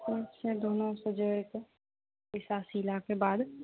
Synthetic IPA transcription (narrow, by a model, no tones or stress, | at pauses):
et͡ʃsed̪oːnõsəd͡ʒəːɽke | bɪsaːsilakebaːd̪